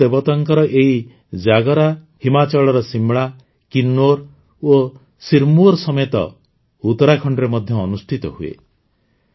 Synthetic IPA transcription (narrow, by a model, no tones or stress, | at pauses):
ebɔt̪ɔŋkɔɾɔʔeɦi | d͡ʒaɡɔɾa | himat͡ʃɔɭɔɾɔsimɭa | kinːoɾ | o | siɾmuɔɾsɔmet̪ɔ̰ | ut̪ɔɾakʰɔɳɖɾemɔd̪ʱjɔːnusʈʰit̪ɔɦuḛ